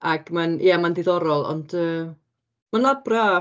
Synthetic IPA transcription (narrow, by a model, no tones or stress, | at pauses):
aɡ̥manj̰amandɪðɔɾɔlˠɔ̰nd̥əː | manlˠabra